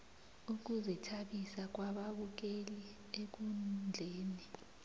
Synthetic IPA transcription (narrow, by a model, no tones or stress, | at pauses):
uk̬uzɛtʰaɓisak̬waɓaɓuk̬eli | ek̬und͡ɮʱeːni